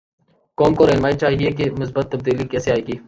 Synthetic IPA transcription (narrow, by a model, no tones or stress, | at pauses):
koːmkoːɾeːnmaːit͡ʃaːɦiekemʊs̬bət̪ːəb̚d̪iːlikɛːseaːeːɡiː